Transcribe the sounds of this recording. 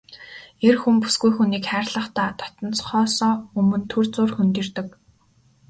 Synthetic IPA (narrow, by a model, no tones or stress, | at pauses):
erxumpu̥sɡujxuniːkχæːrɮə̆χt̪aːt̪ʰɔ̥t̪ɞ̆nt͡sχɔːsɔːɵmɵ̆nt̪ʰɵrt͡sʊːrxɵnt̪ɵ̆rt̪ɵ̆k